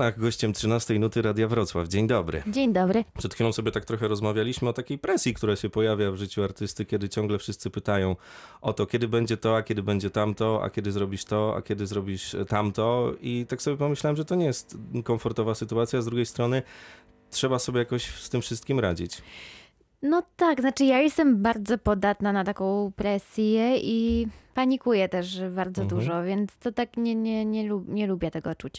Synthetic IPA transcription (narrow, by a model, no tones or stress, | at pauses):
naxɡɔɕt͡ɕɛmtʂɘnast̪ɛjnut̪ɘɾad̪javɾɔt̪swa̰vd͡ʑeɲd̪ɔbɾɘ̰d͡ʑeɲd̪ɔbɾɘpʂɛt̪xʲfilɔ̃w̃sɔbʲjɛt̪ak̚t̪ɾɔxɛɾɔzmavʲjalʲiɕmɘɔt̪akʲejpɾɛsʲjikt̪uɾaɕɛpɔjavʲjavʐɘt͡ɕuaɾt̪ɘst̪ɘkʲɛd̪ɘt͡ɕɔ̃ŋɡlɛfʂɘst̪sɘpɘt̪ajɔ̃w̃ʔɔt̪ɔkʲɛd̪ɘbɛɲd͡ʑɛt̪ɔakʲɛd̪ɘbɛɲd͡ʑɛt̪amt̪ɔa̰kʲɛd̪ɘzɾɔbʲiʂt̪ɔa̰kʲɛd̪ɘzɾɔbʲiʂt̪amt̪ɔit̪aksɔbʲɛpɔmɘɕlawɛmʐɛt̪ɔɲɛjɛst̪kɔɱfɔɾt̪ɔvasɘt̪uat̪sʲjazd̪ɾuɡʲejst̪ɾɔnɘ | tʂɛbasɔbʲɛjakɔɕst̪ɘmfʂɘst̪kʲimɾa̰d͡ʑit͡ɕ | nɔt̪aɡznat͡ʂɘjajɛst̪ɛmbaɾd̪zɔpɔd̪at̪nanat̪akɔ̃w̃pɾɛsʲjɛipaɲikujɛt̪ɛʂbaɾd̪zɔd̪uʐɔvʲjɛnt̪st̪ɔt̪akɲɛɲɛɲɛluɲɛlubʲjɛt̪ɛɡɔt͡ʂut͡ɕ